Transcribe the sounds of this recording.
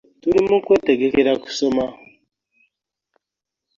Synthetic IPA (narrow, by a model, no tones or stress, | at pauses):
tuɾimukweteɡekeɾaku̥soma